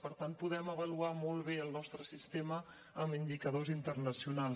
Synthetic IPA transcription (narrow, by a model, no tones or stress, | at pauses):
pəɾt̪anpuðɛməβəluamolˠβeəlˠnɔst̪ɾəsist̪emə | əmind̪ikəðozint̪ərnəsiunalˠ